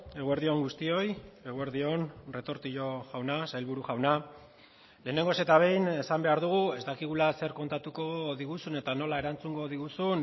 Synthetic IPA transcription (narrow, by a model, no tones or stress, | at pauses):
e̞ɣue̞ɾðio̞ŋɡust̪io̞je̞ɣ̞ue̞ɾðio̞nre̞t̪o̞ɾt̪iʎo̞ʝawnasajlβuɾuʝawna | le̞ːne̞ŋɡo̞se̞t̪aβ̞e̞jne̞sambe̞aɾðuɣ̞ue̞zt̪akiɣ̞ulase̞ɾko̞nt̪at̪uko̞ðiɣusune̞t̪ano̞lae̞ɾant͡suŋɡo̞ðiɣusun